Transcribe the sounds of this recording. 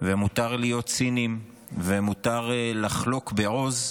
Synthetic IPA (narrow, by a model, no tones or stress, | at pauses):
vemut̪aʁlijo̞t̪t͡sinim | vemut̪aʁlaχlo̞kbeʁo̞z